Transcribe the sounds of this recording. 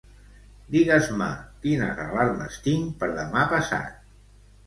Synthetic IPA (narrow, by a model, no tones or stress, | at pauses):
d̪iɣəzma̰kina̰rəraɾmə̰st̪iŋpəɾðəmapəsa̰t̪̚